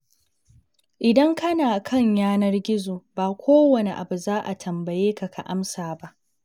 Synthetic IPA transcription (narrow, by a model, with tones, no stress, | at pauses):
ʔɪ˨dɐ˦ŋkɐ˦naː˨kʰɐ˦˨ɲjaː˦nɐ˦rɡʲɪ˦zoː˨baː˨kʷoː˦wɐ˨ne˨ʔa̰˨bu˨zaː˦ʔa˨tʰɐ˨mbɐ˨jeː˦ka˨kʰa˨ʔa˦msaː˨ba˦ʔ